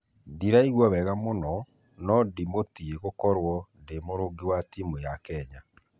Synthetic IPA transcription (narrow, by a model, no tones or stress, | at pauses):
diɾaiɣwɔβɛɣamonɔ | nɔdimotieɣokɔɾwɔndemoɾoɡiwatimujakɛɲa